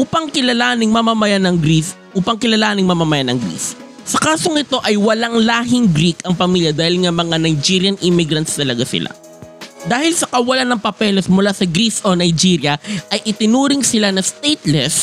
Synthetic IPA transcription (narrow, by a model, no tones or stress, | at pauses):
ʔuːpɐŋkɪlɐlaːnɪŋmɐmamɐjanɐŋɡɾis | ʔuːpɐŋkɪlɐlaːnɪŋmɐmamɐjanɐŋɡɾḭs | sɐkaːso̞ŋʔɪt̪o̞ʔɐjwɐlaŋlaːɦɪŋɡɾikɐŋpɐmiːljɐd̪aːhɪlŋɐmɐŋanɐjd͡ʒiɾjɐnʔɪmiɪɡɾɐnt̪st̪ɐlɐɡasɪ̰la̰ | d̪aːhɪlsɐkɐwɐlanːɐŋpɐpɛːlosmʊlasɐɡɾisonɐjd͡ʒiɾjɐɐjʔɪt̪ɪnuːɾɪŋsɪlanɐst̪ejt̪lɛs